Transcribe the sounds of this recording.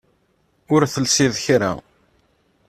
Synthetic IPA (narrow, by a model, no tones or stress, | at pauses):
ʊɾθəlsiðçɾa̰